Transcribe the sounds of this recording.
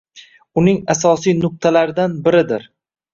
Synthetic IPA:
ʊnɪŋasɒsijnʊq̚t̪ʰalaɾɪd̪anbɪɾɪd̪ɪɾ

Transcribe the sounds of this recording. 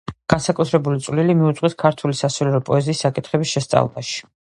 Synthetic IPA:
ɡ̥ansakʼut̪ʰɾɛbulit̪sʼvlilimiut̪sʼqʼwiskʰaɾt̪ʰulisasɔliɾɔpʼɔɛziːsːakʼit̪ʰχɛbisʃɛst̪sʼa̰vlˠba̰ʃi̥

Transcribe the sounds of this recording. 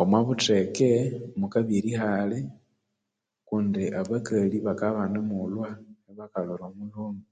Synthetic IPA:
omwaβutekemukaβiɾihale | kundiʔaβakaliβakaβanemulwaeβakaloɾomuloːmɡu

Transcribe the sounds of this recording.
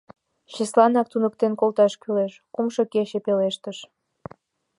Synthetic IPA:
ɕəslɑnɑk̚t̪unək̚t̪enkolt̪ɑʃkyleʃkumʃokeɕepeleʃt̪əʃ

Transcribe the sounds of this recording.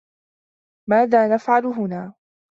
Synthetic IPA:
maːðaːnafʕalʊɦʊnaː

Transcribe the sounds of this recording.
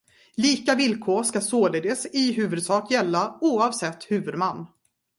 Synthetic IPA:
liːkavɪlkʰoːʂkasoːled̪əsɪɦʉ̟ːvɵd̪sɑːkjɛlːauːɑvsɛt̪ːhʉ̟ːvɵd̪manː

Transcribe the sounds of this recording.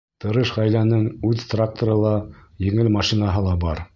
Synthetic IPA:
t̪ɤ̆ɾɤʃʁæjlænɘŋʉðt̪rak̚t̪ŏɾɤlˠɑjɘ̆ŋɘlmɑʃinɑɦɤlˠɑbɑɾ

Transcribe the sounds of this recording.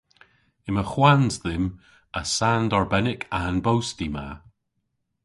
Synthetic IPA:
ɪməxwanzðɪm | əsandɔɹbɛnɪkʰanbowstima̰

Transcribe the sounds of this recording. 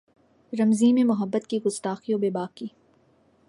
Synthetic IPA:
ɾɐmzĩːmẽmʊɦəbːət̪kiɡʊst̪aːxiobeːbaːkːiː

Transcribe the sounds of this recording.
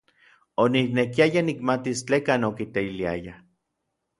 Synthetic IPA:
oniknekiajanikmat̪ist͡ɬekaːnokit̪eilia̰ja

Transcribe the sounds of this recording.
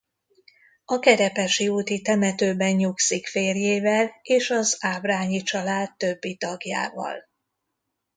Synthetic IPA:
ɒkɛɾɛpɛʃiuːt̪it̪ɛmɛt̪øːbɛɲɲuksikfeːrjeːvɛleːʃɒzaːbraːɲit͡ʃɒlaːt̪ːøbːit̪ɒɡja̰ːvɒ̰l

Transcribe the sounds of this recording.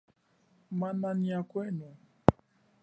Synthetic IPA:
mananiakʷeno

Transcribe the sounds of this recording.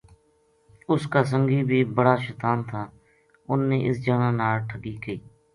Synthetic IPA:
ʊskaːs̬əŋɡiːbʱiːbəɽaːʃəːt̪aːnt̪ʰaː | ʊnːeːʔɪsd͡ʒaːnãːnaːlʈʰəɡiːkəiː

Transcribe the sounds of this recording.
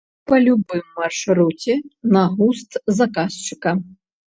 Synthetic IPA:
pɐlʲʊbɪmːɐrʃɾutʲinɐɦust̪zɐkast͡ʃɪ̥kɐ

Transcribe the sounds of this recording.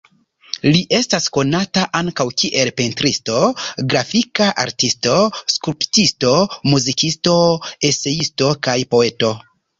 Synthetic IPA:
liʔe̞stasko̞nataʔaŋkawkiʔe̞lpentɾisto̞ɡɾafikaʔa̰ɾtisto̞skɾuptisto̞muzikisto̞e̞se̞isto̞kajpo̞e̞to̞

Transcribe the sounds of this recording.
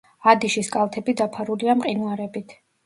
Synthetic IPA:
ad̪iʃiskʼalˠt̪ʰɛbid̪apʰaɾuliamqʼinuaɾɛbit̪ʰ

